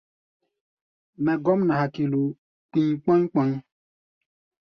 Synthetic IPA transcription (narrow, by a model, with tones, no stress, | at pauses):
mɛ˨ɡɔ˦m˦na˨ɦa˨ki˨lo˨ | k͡pi˦ɲ˦k͡pɔ̃˦ɲ˦k͡pɔ̃˦ɲ˦